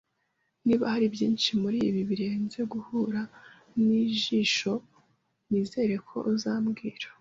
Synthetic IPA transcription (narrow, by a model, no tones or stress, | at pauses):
niːβahaɾibjiːnʃimuɾiβiβiɾe̞ːnze̞ɡuhuːɾa | niʒiːʃo̞ | niːze̞ːɾe̞kʰo̞̰ʔzaːmɡiːɾḁ